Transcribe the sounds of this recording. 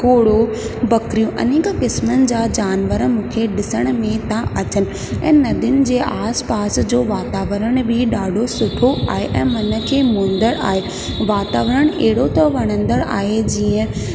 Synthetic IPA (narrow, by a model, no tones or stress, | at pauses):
koːɽo | bɐkɾijõʔɐ̰neːkkɪsmənɪ̆d͡ʑaːd͡ʑaːnʋəɾəmũːkʰeɗɪsəɽ̃ə̆mẽt̪ãʔɐt͡ɕənɪ̆ | ɛ̰̃ːnɐd̪ʊnɪ̆d͡ʑeːʔaːspaːsd͡ʑoːʋaːt̪aːʋəɾəɽ̃bʱɪɗaːɖʱosʊʈʰoʔa̰ːɦeʔɛ̃ːmɐnə̆kʰeːmõːnd̪əɽa̰ːɦe | ʋaːt̪aːʋəɾəɽ̃eɦɪɽot̪ɐʋɐɽ̃ə̃nd̪əɽa̰ːɦed͡ʑiːə̃